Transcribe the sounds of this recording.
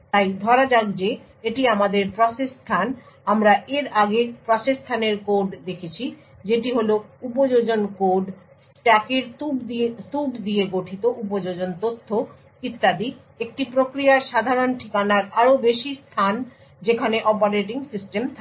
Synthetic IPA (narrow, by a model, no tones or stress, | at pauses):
t̪ajd̪ʱɔɾad͡ʑaɡd͡ʑe | eʈiamad̪eɾpɾɔsest̪ʰan | amɾaʔeɾaɡepɾɔsest̪ʰaneɾkoɖd̪ekʰet͡ɕʰi | d͡ʑeʈiɦoloupod͡ʑod͡ʑonkoɖ | sʈɛkeɾt̪ub̪it̪ubd̪ijeɡoʈʰit̪oʔup̬od͡ʑod͡ʑont̪ot̪ʰːo | kit̪ːad̪i | ek̚ʈipɾokɾiaɾʃad̪ʱaɾonʈʰikanaɾaɾobeʃist̪ʰan | d͡ʑekʰaneʔɔpoɾeʈ̬iŋsisʈemt̪ʰ